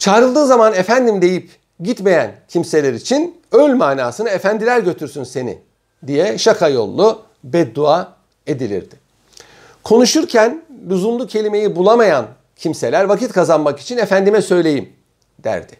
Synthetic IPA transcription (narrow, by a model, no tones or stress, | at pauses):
t͡ʃʰaːɾɯlˠd̪ɯːzamanefænd̪imd̪e̞jip | ɟit̪me̞jæncʰimse̞lʲeɾit͡ʃʰin | ølʲmaːnaːsɯnɯefænd̪ilʲæɾɟø̞t̪ʰyɾsynse̞nḭ | d̪ijɛʃakʰajo̞̰lˠːu | bɛt̪̚d̪ua | e̞d̪ilʲḭɾd̪̥ɪ | kʰo̞nuʃuɾcʰænlʲuzumlucʰe̞lʲime̞jibulˠamajan | cʰimse̞lʲæɾvacit̪kʰazanmaki̥t͡ʃʰinefænd̪imɛsø̞jlʲe̞jim | d̪̥æ̰ɾd̪̥ɪ̥